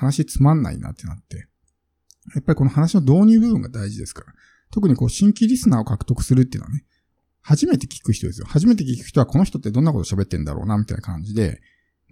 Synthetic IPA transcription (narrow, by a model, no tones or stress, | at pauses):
hanaɕit͡sɨmãnːa̰ḭna̰t̪ːe̞nat̪ːe̞ | japːaɾiko̞nohanaɕino̞d̪o̞ːɲ̟ɨːbɯ̟bɯ̟ŋɡad̪aiʑid̪e̞sɨ̥kḁɾa | t̪o̞k̬ɯ̟ɲ̟iko̞ːɕĩŋkʲiɾʲisɨnaːo̞kakɯ̟̥t̪o̞kɯ̟̥sɨɾɯt̪ːeḭnoa̰ne | haʑime̞t̪e̞kʲi̥kɯ̟çit̪o̞d̪esɨjo̰haʑime̞t̪̬e̞k̬ʲikɯ̟̥ç̥ʲi̥t̪oako̞no̞çi̥t̪o̞t̪ːe̞d̪onːako̞t̪oɕabe̞t̪ːẽnd̪a̰ɾo̰ːnamʲit̪a̰ḭna̰kãɲ̟d͡ʑid̪e̞̰